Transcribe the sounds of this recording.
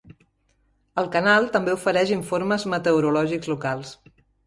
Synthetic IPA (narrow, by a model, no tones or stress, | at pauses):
əlˠkənalˠt̪əmbeufəɾɛʒiɱfoɾməzmət̪əuɾulɔʒikzlukalˠs